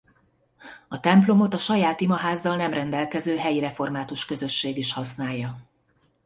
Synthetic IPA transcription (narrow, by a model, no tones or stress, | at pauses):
ɒt̪ɛmplo̞mo̞t̪ɒʃɒjaːt̪imɒɦaːzːɒlnɛmrɛnd̪ɛlkɛzøːɦɛjiɾɛfo̞rmaːt̪uʃkø̞zø̞ʃːeːɡiʃhɒsnaːjːɒ